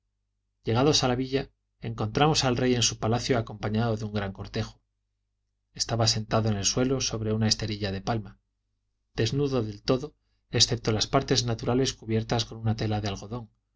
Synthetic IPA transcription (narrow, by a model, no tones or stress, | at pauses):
ʎe̞ɣ̞aðo̞salaβiʎa | e̞ŋkont̪ɾamo̞salre̞je̞nsupalaθjoako̞mpaɲaðo̞ðeuŋɡɾaŋko̞ɾt̪e̞xo̥ | e̞st̪aβase̞nt̪aðoene̞lswe̞lo̞so̞βɾe̞unae̞st̪e̞ɾiʎaðe̞palma | d̪e̞znuðo̞ðe̞lt̪o̞ðo̞ | e̞sθe̞p̚t̪o̞laspaɾt̪e̞znat̪uɾale̞skuβje̞ɾt̪asko̞nunat̪e̞laðealɣo̞ðo̞ŋ